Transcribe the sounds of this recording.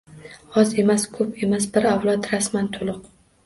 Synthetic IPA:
ɒze̞maskʰɵpʰe̞masbɪɾawlˠɒt̪ɾasmant̪ʰʊlˠʊq

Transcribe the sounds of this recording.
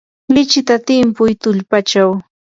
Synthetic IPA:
lɪt͡ʃɪt̪at̪ɪmpʊjt̪ʊʎpat͡ʃaw

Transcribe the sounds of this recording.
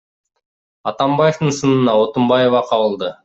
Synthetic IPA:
ɑt̪ɑmbɑjeft̪ɯnsɯnɯnɑo̞t̪umbɑjevɑqʰɑβɯlˠd̪ɯ

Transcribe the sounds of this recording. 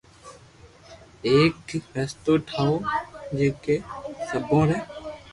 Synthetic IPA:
eːkfɛːst̪oːʈʰaːoːd͡ʒeːkeːsəbõːɾɛː

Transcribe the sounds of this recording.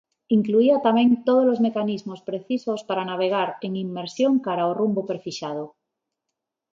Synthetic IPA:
iŋkluiat̪amẽŋt̪oð̞olozmekanizmospɾeθisospaɾanaβ̞eɣ̞aɾeŋimːeɾsjoŋkaɾaorumbopeɾfiʃað̞o

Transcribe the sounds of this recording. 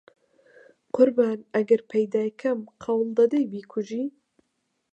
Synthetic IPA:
qʊɾbaːnɐɡɐɾpʰɐjd̪aːjkʰɐmqʰɑwlˠd̪ɐd̪ejbiːkʰʊʒiː

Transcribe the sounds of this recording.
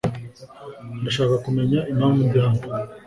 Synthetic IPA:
ndaʃaːkakume̞ɲaimaːmvujaːmo

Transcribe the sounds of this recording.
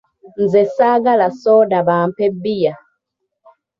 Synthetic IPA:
n̩zɛsaɡalasɔdabam̩pɛbija

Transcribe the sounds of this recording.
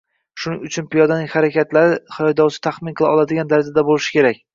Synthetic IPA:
ʃʊnɪŋʊt͡ʃʰʊnpɪjɒd̪anɪŋʲhaɾakʲat̪laɾɪχɪjɒjd̪ɒwsɪ̥t̪ʰaχmɪnqʰɨlˠɪɒlˠad̪ɪɡʲand̪aɾzad̪abolɪʃɪ̥kʲe̞ɾak̚ʲ

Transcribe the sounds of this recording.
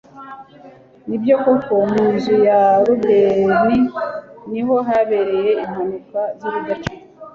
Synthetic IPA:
nibjo̞koko̞miːnzujaɾuɡɡeɾiniɦo̞ɦaβe̞ɾe̞je̞im̥hanikwaziβiɡat͡ʃu̥

